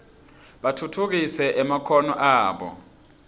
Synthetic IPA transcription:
ɓatʰutʰuk̬isɛʔɛmakʰɔnɔʔaːɓɔ̰

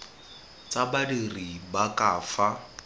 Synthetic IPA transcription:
t͡sabadiribakaːfa

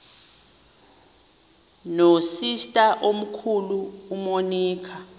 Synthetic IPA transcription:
nosistʼaʔom̩kʰuluːmoniːkʰa

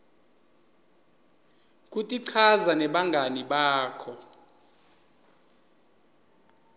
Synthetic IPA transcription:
k̬ʼutʼiǀʰazanɛɓaŋɡʱaniɓaːkʰɔ

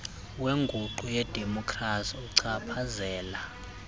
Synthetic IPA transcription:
weŋɡʱuǃujɛd̥ʱemɔkʰrasuǀapʰazɛːla

